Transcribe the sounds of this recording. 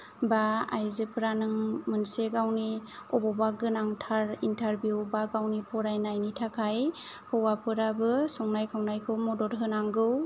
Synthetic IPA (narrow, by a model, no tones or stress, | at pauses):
baa̰jzepʰɯɾanɯŋmɯnseɡawniɔbɔbaɡɯnaŋtʰaɾintʰaɾbjuwbaɡawnipʰɔɾajnajnitʰakʰaj | hɯwapʰɯɾabɯsɔŋnajkʰawnajkʰɯwmɔdɔɾɦɯnaŋɡɯw